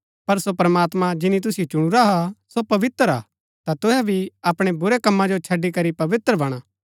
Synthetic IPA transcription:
pɐɾsopɾɐmaːt̪mãd͡ʒɪnit̪̬ʊsjot͡ʃʊɽ̃uɾaɦasopɐʋɪt̪ɾa̰ː | t̪at̪ʊɦɛbʱiɐpɽ̃ebʊɾekɐmːãd͡ʒot͡ʃʰɐɖːikɐɾipɐʋɪt̪ɾəbɐɽ̃aː

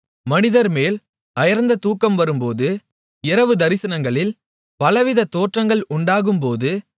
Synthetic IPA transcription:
mɐnɪðɐɾmeːl | ɐjɐɾnd̪ɐt̪uːkːɐmʋɐɾɯmpoːðɯ | ɪɾɐʋɯd̪ɐɾɪsɐnɐŋɡɐɭɪl | pɐlɐʋɪðɐt̪oːʈrɐŋɡɐɭʊɳɖaːɣɯmpoːðɯ

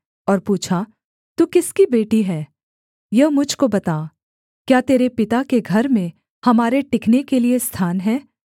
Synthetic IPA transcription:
ɔːɾpuːt͡ʃʰa | t̪uːkɪskibeːʈiɦɛː | jɐɦmʊd͡ʒʱkobɐt̪aː | kjaːt̪eːɾepɪt̪akeɡʱɐɾmẽ | hɐmaːɾeʈɪknekeliest̪ʰaːnɦɛː

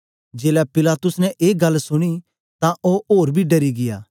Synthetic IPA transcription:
d͡ʒeːlɛpɪlaːt̪ʊsnɛ̃ʔeːɡɐlsʊɽ̃i | t̪ãʔoʔoːɾbʱiːɖɐɾiɡɪja̰ː

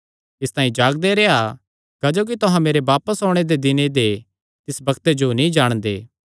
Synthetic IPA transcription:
ɪst̪ãːĩd͡ʒaːɡ̚d̪eɾea | kɐd͡ʒoːk̬it̪ʊɦãmeːɾeʋaːpəsɦoːɽ̃ed̪ed̪ɪned̪e | t̪ɪsbɐkt̪ed͡ʒonĩd͡ʒaːɽ̃d̪ḛː

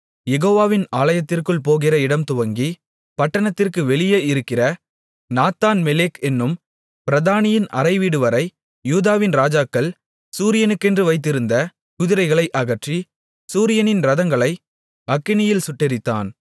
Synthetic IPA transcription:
jɛɣoːʋaːʋɪnaːlɐjɐt̪ːɪrkɯɭp̬oːɣɪrɐɪɽɐmt̪ʊʋɐŋɡi | pɐʈːɐnɐt̪ːɪrkɯʋɛɭɪjeɪɾɯkːɪrɐ | naːt̪aːnmɛleːkɛnːɯm | pɪɾɐðaːnɪjɪnʔɐɾɐɪʋiːɽɯʋɐɾɐɪ | juːðaːʋɪnɾaːd͡ʒaːkːɐɭ | suːɾɪjɐnɯkːɛndrɯʋɐɪt̪̬ːɪɾɯnd̪ɐ | kʊðɪɾɐɪɣɐɭɐɪʔɐɣɐʈri | suːɾɪjɐnɪnɾɐðɐŋɡɐɭɐɪ | ɐkːɪnɪjɪlsʊʈːɪɾɪt̪ːa̰ːn

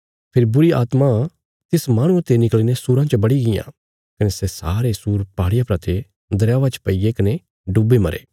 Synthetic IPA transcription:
pʰɪɾibʊɾia̰ːt̪ma | t̪ɪsmaːɽ̃ũɐt̪ːenɪklinesuːɾãt͡ʃəbɐɽiɡɪjã̰ | kɐnesɛsaːɾesuːɾpaːɽɪjapɾɐt̪ʰe | d̪ɐɾjaːʋat͡ʃə̥pɐɪɡekɐne | ɖubemɐɾḛː

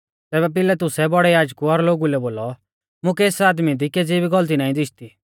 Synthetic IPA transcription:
t̪ɛːβɛp̬ɪlɛt̪̬ʊsɛbɔɽɛjaːd͡ʒkuɔɾloːɡulɛboːlɔ | mʊ̃kɛeːsaːd̪mid̪iked͡zibiɡɔlt̪̬inaːĩd̪ɪʃʰt̪i

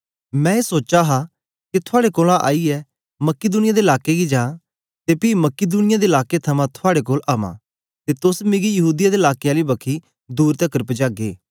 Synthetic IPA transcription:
mɛ̃ːeːsoːt͡ʃaɦa | kit̪ʰʊaːɽekoːlãʔa̰ːiɛ | mɐkːɪd̪uːnɪjad̪eːɪlaːkeɡid͡ʒãː | t̪epiːmɐkɪd̪uːnɪjad̪eɪlaːket̪ʰɐmãt̪ʰʊaːɽekoːlaːmã̰ː | t̪et̪ʊsmɪ̃ɡijɐɦuːd̪ɪjad̪eːlaːkeaːlibɐkʰi | d̪uːɾt̪ɛkəɾpəd͡ʒaːɡḛː

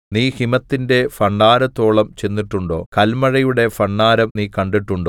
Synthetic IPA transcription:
niːhimɐt̪ːinde̞fɐɳɖaːɾɐt̪ːo̞ːɭɐmt͡ɕe̞nːiʈːuɳɖo̞̰ːkɐlmɐɻɐjuɽe̞fɐɳːaːɾɐmniːkɐɳɖiʈːuɳɖoː

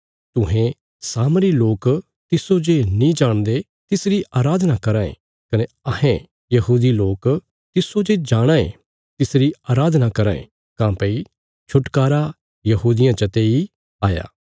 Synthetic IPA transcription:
t̪ʊ̃ɦẽ | saːmɾiloːk | t̪ɪsod͡ʒenĩd͡ʒaːɽ̃d̪e | t̪ɪsɾiʔaːɾaːd̪nakɐɾãːḛ̃ | kɐne | ɐɦẽ | jɐɦuːd̪iloːk | t̪ɪsod͡ʒed͡ʒaːɽ̃ãːḛ̃ | t̪ɪsɾiaːɾaːd̪ʱnakɐɾãːḛ̃ | kãːpɐi | t͡ʃʰʊʈkaːɾa | jɐɦuːd̪ɪjãt͡ʃɐt̪ei | aːja̰ː

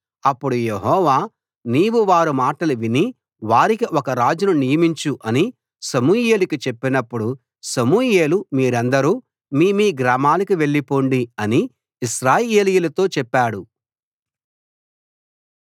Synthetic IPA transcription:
ɐpːuɽujeɦɔːʋaː | niːʋuʋaːɾumaːʈɐluʋini | ʋaːɾikiʔɔkɐɾaːd͡ʒununijɐmiɲt͡ʃuʔɐni | sɐmuːje̞ːlikit͡ʃepːinɐpːuɽu | sɐmuːjeːlumiːɾɐnd̪ɐɾuː | miːmiːɡɾaːmaːlikiʋe̞ɭːipoːɳɖiɐni | iʃɾaːjeːlijulɐt̪o̞ːt͡ʃɛpːaːɽu

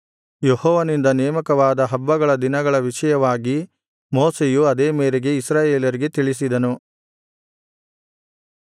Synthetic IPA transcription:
jehɔːʋɐnind̪ɐnɛːmɐkɐʋaːd̪ɐɦɐbːɐɡɐɭɐd̪inɐɡɐɭɐʋiʃɐjɐʋaːɡi | moːsejuɐd̪eːmeːɾeɡe̞isɾaːje̞ːlɐɾiɡe̞t̪iɭis̬id̪ɐnu

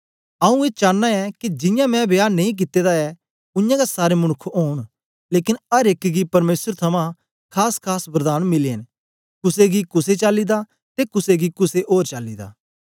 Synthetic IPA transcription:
ɐũet͡ʃaːnːaɛkid͡ʒɪ̃jãmɛ̃bjaːnɐ̃ĩk̬ɪt̪ːeːd̪aɛ | ʊ̃jãɡasaːɾemɐɽ̃ʊkʰoːɽ̃ | leːkɪnɐɾeːkɡipɐɾmeːsəɾt̪ʰɐmã | kʰaːskʰaːspɾɐd̪aːnmɪleːn | kʊseɡikʊset͡ʃaːlːid̪a | t̪ekʊseɡikʊseʔoːɾt͡ʃaːlːid̪a̰ː

